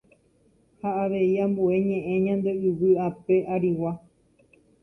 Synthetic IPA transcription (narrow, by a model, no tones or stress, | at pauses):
haaʋe̞iãmbue̞ɲẽ̞ʔẽ̞ɲãnd̪e̞ɨʋɨape̞ʔaɾiwa